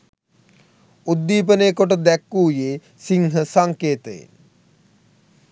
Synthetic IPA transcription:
ud̪ːiːp̬ənejːkoʈəd̪ɛkːuːjeː | siŋɦəsaŋkeːt̪əjḛn

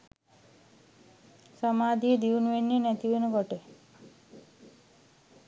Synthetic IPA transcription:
səmad̪ʱid̪iunʋenːenɛt̪iʋenɡɔʈe

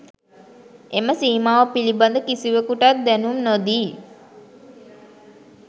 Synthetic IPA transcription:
ʔeməsiːmaːʋəpiliband̪əkisiʋəkuʈat̪̚d̪ɛnumnod̪iː

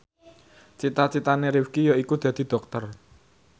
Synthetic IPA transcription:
t͡ʃit̪at͡ʃit̪aneɾiwkijoikud̪̥a̤d̪̥i̤d̪̥ɔ̤k̚t̪ər

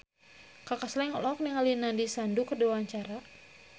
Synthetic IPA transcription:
kakaslɛŋɔlɔk̚niŋalinandisandukədawaɲt͡ʃaɾa

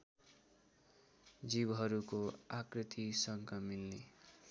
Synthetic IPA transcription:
d͡zibɦʌɾukoakrit̪ʰisʌŋkʰʌmilne

